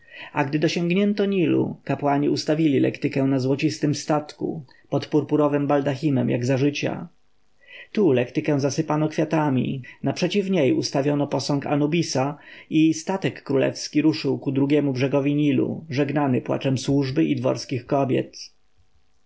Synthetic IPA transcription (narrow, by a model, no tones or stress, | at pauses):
aɡd̪ɘd̪ɔɕɛŋɡɲɛnt̪ɔɲilṵkapwaɲiust̪avʲilʲilɛ̰kt̪ɘkɛw̃nazwɔt͡ɕist̪ɘmst̪at̪kṵ | pɔt̪puɾpuɾɔvɘmbald̪aximɛmja̰ɡzaʐɘt͡ɕa̰ | t̪ulɛkt̪ɘkɛ̃zasɘpanɔkfʲjat̪amʲḭnapʂɛt͡ɕivɲejust̪avʲjɔnɔpɔsɔ̃ŋka̰nubʲisaist̪at̪ɛkːɾulɛ̰fskʲiɾuʂɘwkud̪ɾuɡʲjɛmubʐɛɡɔvʲiɲilṵʐɛɡnanɘpwa̰t͡ʂɛmswuʐbɘʔid̪vɔ̰ɾskʲixkɔbʲjɛ̰t̪